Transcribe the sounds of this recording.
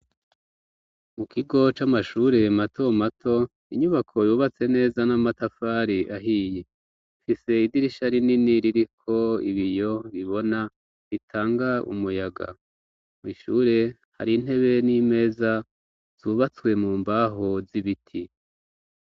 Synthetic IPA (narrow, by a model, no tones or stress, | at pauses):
mukʰiɡo̞t͡ʃamaʃuːɾe̞mato̞matʰo | iɲuβakʰo̞juːβat͡se̞ne̞ːzanamatafaːɾiʔaɦiːje | ifise̞idiɾiʃaɾininiɾiɾikʰo̞ḭβijo̞βiβo̞na | βitʰaːŋɡaṵmujaɡa̰ | mwiʃuːɾe̞ | ha̰ɾin̥ɦe̞βe̞nime̞ːza | z̥uːβat͡swe̞muːmbaɦoziβitʰi